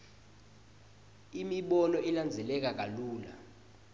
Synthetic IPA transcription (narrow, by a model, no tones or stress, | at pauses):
imiɓɔnɔʔiland͡zʱɛlɛk̬ak̬aluːla̰